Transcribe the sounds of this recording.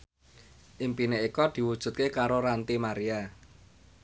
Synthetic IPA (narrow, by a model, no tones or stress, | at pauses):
ʔimpineikɔd̪̥i̤wud̥ʒ̥ṳt̪̚kekaɾoɾant̪imaɾia